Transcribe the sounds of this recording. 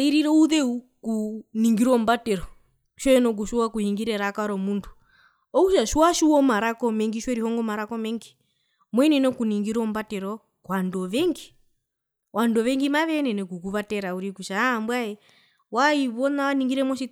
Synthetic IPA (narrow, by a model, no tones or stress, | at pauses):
iɾiɾɛuðɛu | kuniŋɡiɾɔmbatɛɾɔ | ʃɛnɔk̬uʃuwakuhiŋɡiɾɛɾakaɾɔmundu | ɔkuʃaʃuwaʃuwɔmaɾakɔmɛŋɡiʃwɛɾihɔŋɡɔmaɾakɔmɛŋɡi | mwɛnɛnɔkuniŋɡiɾɔmbatɛɾɔ | kwandɔʋɛŋɡi | wandɔʋɛŋɡimaʋɛnɛnɛkukuβatɛɾauɾikuʃambwaɛ | waiβɔnaaniŋɡiɾɛmɔʃi